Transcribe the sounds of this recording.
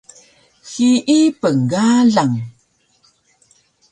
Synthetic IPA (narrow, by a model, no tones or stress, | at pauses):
xiʔipəŋɡaɮaŋ